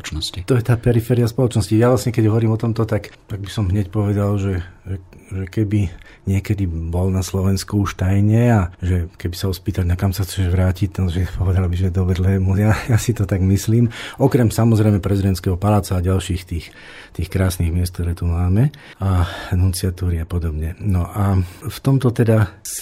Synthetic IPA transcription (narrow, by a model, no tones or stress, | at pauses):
nɔsit̪ɔjɛt̪aːpɛɾifɛːɾiaspɔlɔt͡ʃnɔscijaʋlasɲɛkɛɟɦɔʋɔɾiːmɔt̪ɔmt̪ɔt̪akt̪aɡ̚bisɔmɦɲɛcpɔʋɛd̪alʒɛʒɛʒɛkɛbi | ɲɪɛkɛd̪ibɔlnaslɔʋɛnskuuʃt̪ajɲɛaʒɛkɛbisaɔspiːt̪aɟnakamsaxt͡sɛʒʋɾaːcict̪aʒɛpɔʋɛd̪albiʒɛd̪ɔbɾɛd̪lɛːmujajasit̪ɔt̪aɡmisliːmɔkɾɛmsamɔzɾɛjmɛpɾɛzid̪ɛnt̪skɛɦɔpalaːt͡saːɟalʃiːxt̪iːx | t̪iːxkɾaːsniɣmɪɛst̪kt̪ɔɾɛːt̪umaːmɛ | anunt͡siat̪uːɾiapɔd̪ɔbɲɛnɔʔaft̪ɔmt̪ɔt̪ɛd̪as